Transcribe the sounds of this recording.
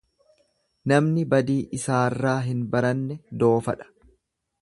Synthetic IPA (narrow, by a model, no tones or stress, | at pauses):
nɐmnɪbɐd̪iːʔɪsaːrːaːɦɪnbɐɾɐnːɛd̪o̞ːfɐᶑɐ̥